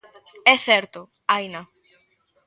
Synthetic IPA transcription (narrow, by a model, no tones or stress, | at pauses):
ɛθɛɾt̪ʊ | ajna